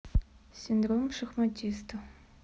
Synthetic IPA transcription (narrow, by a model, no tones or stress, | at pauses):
sʲind̪romʂɐxmɐtʲʰist̪ʰɨ